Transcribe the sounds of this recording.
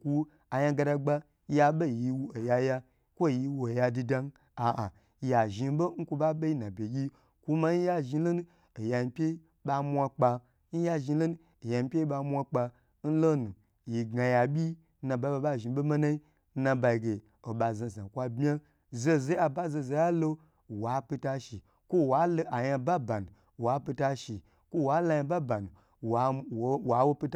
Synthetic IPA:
kʷu˧ | a˨ja˧ɡa˧da˧ɡ͡ba˧ | ja˧ɓe˦˨ji˧wu˦o˨ja˧ja˧ | kʷo˦˨ji˧wu˧˦o˨ja˧di˧da˧n˦ | a˨ʔa˨ | ja˨ʒi˧bo˦ŋ̩˦ku˧ba˦be˦ji˦na˨bʲe˨ɡʲi˦ | ku˦ma˧n̩˦ja˦ʒi˧lo˦nu˦ | o˨ja˧m˨˦pʲe˦ | ɓa˧mʷa˧k͡pa˧ | n̩˦ja˧ʒi˧˦lo˦n˦ | e˨ja˧m˦pʲe˦ɓa˧mʷa˧k͡pa˧ | n̩˦lo˦nu˨ | ji˨ɡa˨ja˨bʲi˦ | nã˨˧ba˧˦ba˧˦ba˦˨ʒi˨˦be˦ma˦na˦i˦ | nã˧ba˧i˨ɡe˨ | o˨ɓa˨za˧˨za˨kʷa˧bmʲ˦a˦ | ze˦ze˦a˧ba˦ze˧˨ze˧˦a˦lo˦˨ | wa˨˦pʲi˧ta˧ʃi˨ | kʷo˦˨wa˨˦lo˦ʔa˨jã˧ba˦ba˨nu˨ | wa˨˦pʲi˧ta˧ʃi˨ | kʷo˦wa˨˦la˧ja˧ba˦ba˨nu˨ | wa˨wa˨wo˦pʲi˧t

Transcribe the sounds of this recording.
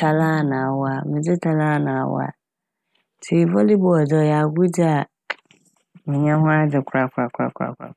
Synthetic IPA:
tʰa˨lã˦˨nã˨a˨wɔ˦a˨mɪ̃˨d͡zɪ˦tʰa˨lã˦˨nã˨a̰˨w̰a̰˦ | tʰi˨vɔ˦li˦bɔ˨ɔ˨d͡zɔ˨ja˨ɡu˦dɪ˦a˨ | mɪ̃˨ɲã˦hʊ̃˦a˦d͡zɪ˨kʷʰɾa˨kʰɾa˨kʷʰɾa̰˨kʰʷɾa̰˨kʰa̰˨˦

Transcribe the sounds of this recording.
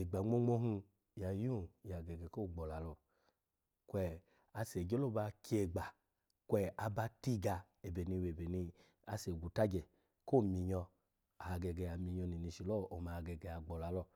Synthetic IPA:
e˨ɡ͡ba˨ŋ͡mo˦ŋ͡mo˧˦ɦũ˧ | ja˨jũ˦˨ja˨ɡɛ˨ɡɛ˨ko˦˨ɡ͡bɔ˨la˨˦lɔ˧˨ | kwɛ˧˨ | a˧se˨d͡ʒe˦lo˦ba˧ki˦e˧ɡ͡ba˨ | kʷɛ˧a˧ba˧ti˦ɡa˧ | e˨be˨ni˧we˨be˨ni˧ | a˧se˨ɡu˨ta˦d͡ʒɛ˨ | ko˦˨mi˧ɲɔ˧ | a˨ɡɛ˧ɡɛ˧˨a˨mi˨˧ɲɔ˧ni˨ni˧ʃi˨lɔ˦˨ʔo˨ma˨˧˨ɡɛ˨ɡɛ˨a˨ɡ͡bɔ˨la˨˦lɔ˧˨

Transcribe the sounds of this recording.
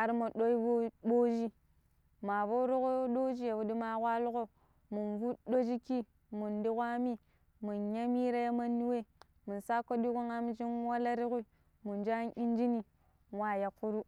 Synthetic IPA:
a˨ɾmo˨ɗo˦i˦bo˦bo˦d͡ʒi˦ | ma˨vo˦ɾu˦ɣo˦ɗo˦d͡ʒi˦ja˨wu˨di˦ma˨kʷa˦lu˦ɣo˦ | mu˨nvu˦do˦d͡ʒi˦ki˦ | mu˨ndi˦kʷa˦mi˦ | mu˨nɲa˦mi˦ɾa˦ja˦ma˦nːi˦we˦˨ | mu˨nsa˦ko˦di˦ku˦ŋa˦m˦d͡ʒi˦nwa˦la˦ɾi˦ɣu˦˨ | mu˨nd͡ʒa˦ni˦nd͡ʒi˦ni˦ | wa˨ja˨kːu˦ɾu˦

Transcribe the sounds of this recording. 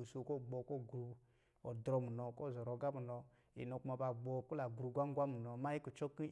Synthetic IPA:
o˨so˧˨kɔ˦˨ɡ͡bɔ˧˨kɔ˦˨ɡɾu˧ | ɔ˨dɾɔ˧˦mu˨nɔ˧kɔ˦˨zɔ˨ɾɔ˨˦ɡa˦mu˨nɔ˧ | ḭ˨nɔ˨˧˨ku˦ma˨˧ba˨ɡ͡bɔ˧ku˦la˨ɡɾu˨˧ɡʷa˦ŋ˦ɡʷa˦mu˨nɔ˧˦ma˦ji˦ku˨t͡ʃɔ˦ki˦

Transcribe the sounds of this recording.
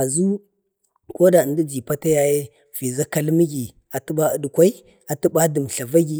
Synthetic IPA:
a˨zu˦ | ko˦da˨ndi˦d͡ʒi˨pa˦ta˦ja˨je˦ | v̥i˨za˦ka˦lmi˦ɡʲi˨ | a˨tu˦ɓa˦ə˨du˨kʷa˦i˦ | a˨tu˦ba˦di˨m˨ɬa˨va˦ɡʲi˨

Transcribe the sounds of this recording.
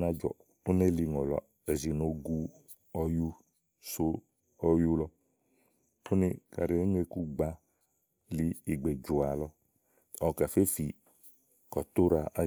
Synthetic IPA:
na˧d͡ʒɔ̰˨ | o˦ne˦li˧ŋɔ˨lɔ̰˨˦ | ɛ˨zi˨no˨˦ɡu˧ | ɔ˧ju˦ | so˦ | ɔ˧ju˦lɔ˧ | o˦ni˧ka̰˨ɾi˨e˨˦ŋ˦e˧ku˦ɡ͡ba˧˦ | li˧i˨ɡ͡be˨d͡ʒu˨a˨lɔ˧ | ɔ˨ka˨fe˦fi˨ | kɔ˨t̪o˦ɾa˧a˧

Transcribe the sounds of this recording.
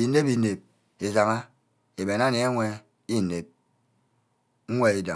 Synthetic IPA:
i˨ne˦bi˨ne˨p̚ | e˨za˨ŋa˦ | e˨be˨na˦ne˨˦a˦ŋʷe˦ | i˦˨ne˨p̚ | ŋ̩˦ŋʷe˦i˦da˨

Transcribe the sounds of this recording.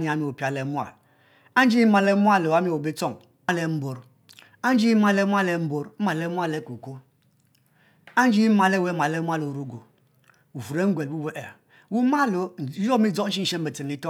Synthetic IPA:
ɲi˨a˨˦mi˦˨o˨pi˨˦a˨lɛ˨˦mʷ˦a̰˨l | a˦n˦d͡ʒi˦ma˨lɛ˦mu˦a˦lo˨a˦mi˦˨o˨be˦t͡sɔ˦˨ŋ | a˦lɛ˨˦m̩˦bo˨ɾ | a˦n˦d͡ʒi˦ma˦lɛ˦mʷ˦a˦lɛ˨m̩˦bo˨ɾ̩˦ma˨lɛ˦mʷ˦a˦lɛ˦ku˨ko˦ | a˦n˦d͡ʒi˦ma˨lɛ˦wɛ˦ma˨lɛ˦mʷ˦a˦lo˨ɾu˦ɡo˨ | wu˨fu˨ɾe˦ŋ̩˦ɡʷɛ˨lbu˦be˦ʔɛ˨ | wu˦ma˦lo˨˦˨o˦mi˦d͡zɔ˦n̩˦ʃi˦n̩˦ʃe˦m˦be˨t͡se˨m˨i˦tɔ˦

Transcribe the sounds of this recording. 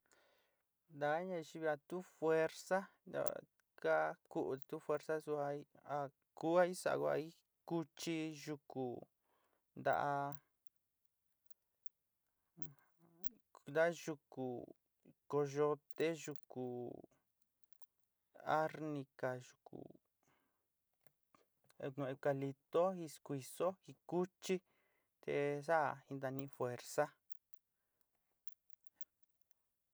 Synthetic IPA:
nd̪a˨˦ɲã˧ʃi˧βi˧a˧t̪u˦fwe˧ɾsa˦ | d̪a̰˧ | ka˦ku˦ʔu˧a˨t̪u˦fwe˧ɾsa˦su˧a˧˦a˧ | ku˦a˦i˦sa̰˨˧ko˧a̰˧i˦ | ku˧t͡ʃi˧ʒu˧ku˨ | nd̪a̰˧ʔa˧ | d̪a˦ʒu˧ku˨ | ko˧ʒo˧t̪e˦ʒu˧ku˨ | a̰˦ɾnĩ˧ka˨ʒu˨kṵ˨ | e˧kũ˧e˧ka˧li˧t̪o˦hi˧skʷi˧so˦hi˧ku˦t͡ʃi˦ | t̪ḛ˧sa˦˨i˧nd̪a˧nĩ˧fwe˧ɾsa˦

